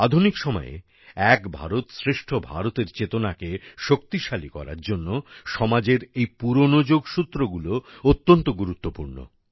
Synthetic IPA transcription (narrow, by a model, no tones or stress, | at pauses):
ad̪ʱunikʃɔmɔ̰ḛ | ɛkbʱa̰ɾot̪sɾeʃʈʰobʱa̰ɾot̪eɾt͡ɕet̪onakeʃok̚t̪iʃalikɔ̰ɾa̰ɾd͡ʑonːoʃɔmad͡ʑeɾejpuɾonod͡ʑoɡʃut̪ːɾoɡuloot̪ːont̪oɡuɾut̪ːopuɾno̰